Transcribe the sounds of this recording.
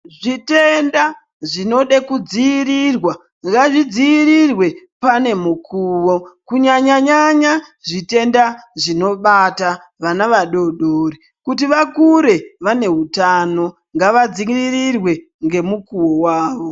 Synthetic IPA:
ʐite̞nda | ʐino̞ɗekud͡ziːrirwa | ŋɡaʐid͡ziiɾirwe̞pane̞mukʰuːʋo̞kuɲaɲaɲaɲaʐite̞ndaʐino̞ɓata | ʋanaʋaɗo̞ɗoːri | kutiʋakuɾe̞ʋane̞ɦutano̞ | ŋɡaʋad͡ziiririrwe̞ | ŋɡe̞mukuwowaːʋo̞

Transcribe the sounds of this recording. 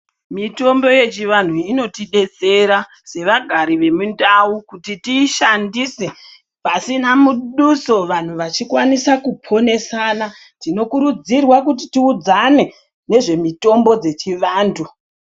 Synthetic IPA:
mito̞mbo̞je̞t͡ʃiʋan̤uino̞tiɗe̞t͡se̞ɾa | se̞ʋaɡʱaɾiʋe̞mundawukutitiːʃandise̞ | pasinamuɗuso̞ʋan̤uʋat͡ʃikwanisakupʰo̞ne̞sana | tino̞kuɾud͡zirwak̬ut̬itiud͡zane̞ | ne̞ʐe̞mito̞mbo̞d͡ze̞t͡ʃiʋaːndu

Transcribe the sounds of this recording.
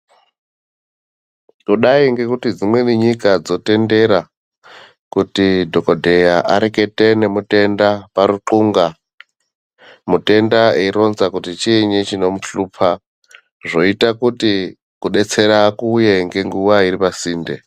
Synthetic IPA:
kuɗaiŋɡe̞kutid͡zimwe̞niɲikad͡zo̞te̞nde̞ɾa | kutidʱo̞kodʱe̞jaʔa̰ɾeke̞tenemute̞ndapaɾuǃuŋɡa | mute̞ndaeiɾo̞nzakutit͡ʃiɲit͡ʃino̞muɬupʰa | ʐo̞itakuti | kuɗe̞t͡se̞ɾaːkuːjeŋɡe̞ŋɡuwaiɾipasiːnde

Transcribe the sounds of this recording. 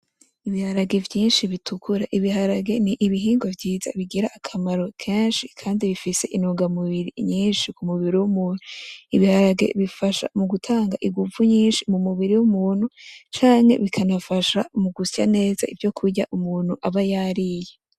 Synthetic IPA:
iβihaɾaɡe̞vjiːnʃiβitʰukʰuɾaʔiβiɦaɾaɡe̞niʔiβiɦiːŋɡo̞vɟiːza̰βiɡiɾaʔːkʰamaɾo̞kʰe̞ːnʃikʰaːndiβifise̞ʔinuɡamuβiɾiɲiːnʃikumuβiɾiwumuːnuiβihaɾaɡe̞̰βifaʃa̰muɡutʰaːŋɡaʔiɡuvuɲiːnʃimumuβiɾiwumuːn̥hut͡ʃaːŋhe̞̰βikʰanafaʃamuɡusja̰ne̞ːza̰ivjo̞kʰuɾɟaʔumuːn̥huʔaβajaɾije

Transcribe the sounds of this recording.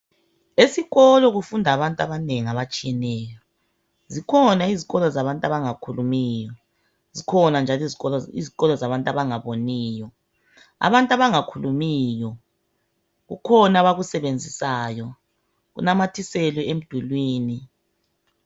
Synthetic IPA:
esiɣɔlɔɣufundʱaβantʼaβaneŋiaβat͡ʃʼijɛnɛːjɔ | zikʰɔnaiziɣɔlɔzaβantʼaβaŋakʰulumiːjɔ | zikʰɔnand͡ʒʱalzɔḭziɣɔlɔzaβantʼaβaŋaβoniːjɔ | a̰βantʼaβaŋakʰulumiːjɔ | ɣṵkʰɔnaβaɣusɛβend͡zʱisaːjɔ | ɣṵnamatʰisɛlɛem̩d̥ʱulwiːni

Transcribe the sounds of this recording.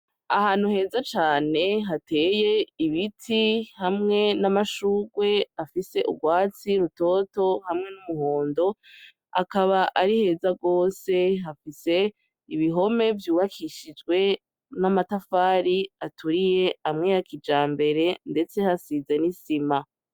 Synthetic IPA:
a̰haːn̥huhe̞ːzat͡ʃaːne̞ɦatʰe̞ːje̞iβitʰihamŋe̞namaʃuːɡwe̞afise̞ʔṵɡwaːt͡siɾuto̞ːto̞hamŋe̞numuhoːndo̞ | a̰kaβaʔaɾihe̞ːzaɡo̞ːse̞ɦafise̞ | iβiɦo̞me̞vjuːβakʰiʃid͡ʒɡwe̞ | namatafaːɾiatuɾije̞amŋe̞jakʰid͡ʒaːmbe̞ɾe̞nde̞t͡se̞hasize̞nisima

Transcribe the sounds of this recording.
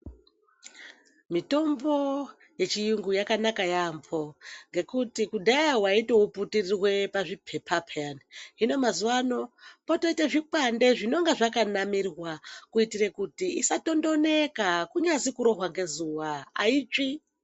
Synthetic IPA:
mito̞mbo̞ | je̞t͡ʃijuŋɡujakanakajampo̞ŋɡe̞kutikudʱajawaiteuputirirwe̞paʐipʰe̞pʰapʰeaniɦino̞mazuwano̞poto̞iteʐikande̞ʐino̞ŋɡeʐakanamirwakuitiɾekutiisato̞ndo̞ne̞kakuɲazikuɾo̞ɦwaŋɡe̞zuwaait͡ʃi

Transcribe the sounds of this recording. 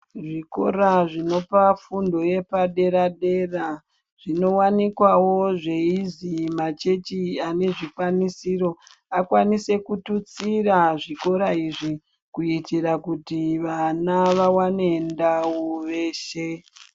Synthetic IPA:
ʐiko̞̰ɾaʐino̞pafundo̞je̞paɗe̞ɾaɗe̞ra | ʐ̥ino̞wanikwawo̞ʐe̞izimat͡ʃe̞t͡ʃiane̞ʐikwanisiɾo̞ | akwanise̞kutut͡siraʐiko̞ɾaiʐi | kuitiɾakutiʋanaʋawane̞ndawuʋe̞ːʃe

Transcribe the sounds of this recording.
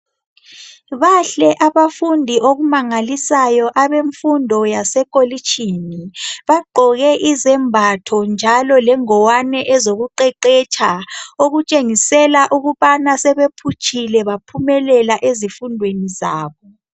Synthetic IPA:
βaɬɛʔaβafundʱiʔoɣumaŋalisajɔʔaβeɱfundʱɔjasɛkʼolit͡ʃʰʼiniβaɡ͡ǃʱɔɣɛʔizɛmbʱatʰɔnd͡ʒʱalɔlɛŋɔwanɛʔɛzoɣuǃɛǃɛt͡ʃʰʼaoɣut͡ʃʼeŋisɛlaʔuɣuβanasɛβepʰut͡ʃʰʼilɛβapʰumɛlɛlaʔezifundʱwenizaːβɔ

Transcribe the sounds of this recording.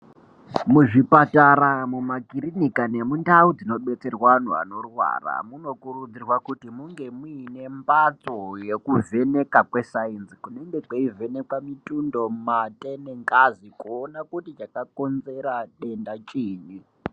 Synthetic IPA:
muʐipataɾamumakirinikane̞mundaud͡zino̞ɓe̞t͡se̞rwan̤ua̰no̞rwa̰ra̰muno̞kurud͡zirwakutimuŋɡe̞muːne̞mbat͡soje̞kuvʱe̞ne̞kakwe̞sainsi̥kune̞ŋɡe̞kaive̞ne̞kwamitundo̞matʼe̞neŋɡazikuonakutit͡ʃakako̞nze̞ɾaɗe̞ndat͡ʃʼiːɲi

